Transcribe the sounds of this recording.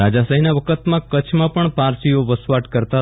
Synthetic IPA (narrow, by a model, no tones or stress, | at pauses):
ad͡ʒasəɦinaʋəkʰət̪mãkət͡ʃʰmãpəɳpaɾsioʋəsʋaʈkəɾt̪a